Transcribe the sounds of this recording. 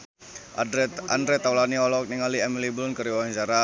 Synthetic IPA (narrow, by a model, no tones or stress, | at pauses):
aa̰ndɾɛt̪awlaniɔlɔk̚niŋaliɛmiliblunkəɾiwawant͡ʃaɾa